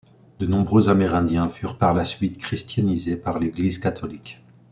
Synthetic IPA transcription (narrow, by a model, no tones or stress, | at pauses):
d̪ənɔ̃bʁøzamɛʁɛ̃d̪jɛ̃fyʁpaʁlasɥit̪kχist̪janizepaʁleɡlizkat̪ɔlik